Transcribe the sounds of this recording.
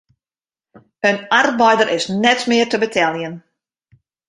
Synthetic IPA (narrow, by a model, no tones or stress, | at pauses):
ənarbɛjdəɾʔɪsnɛtmɪərtəbətʰɛlˠjən